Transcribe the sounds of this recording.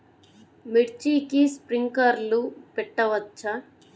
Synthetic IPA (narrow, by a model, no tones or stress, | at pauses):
miʈt͡ʃiːkispɾiŋkɐɾlupɛʈːɐʋɐt͡ʃːɐ